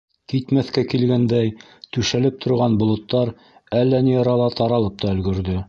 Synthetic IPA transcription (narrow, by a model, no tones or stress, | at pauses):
kit̪mæθkækilɡænd̪æj | t̪ʉʃælɘp̚t̪ʰŏɾʁɑnbŏlˠŏt̪ːɑɾ | ælːænijɑɾɑlˠɑt̪ɑɾɑlˠɤp̚t̪ɑɵ̆lɡɵ̆ɾðɵ